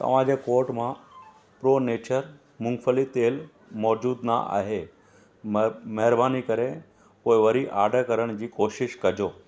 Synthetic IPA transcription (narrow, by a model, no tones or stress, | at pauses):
t̪ɐ̰ʋ̤ãd͡ʑeːkoːɾʈmã | pɾoːneːt͡ɕəɾ | mʊ̃ŋɡfʰəlit̪eːl | mɔːd͡ʑuːd̪na̰ʔa̰ːɦe | mɐɦɪɾbaːnikɐɾe | poːɪʋɐɾiʔaːɖʱəkɐɾəɽ̃d͡ʑiːkoːʃɪʃkɐd͡ʑoː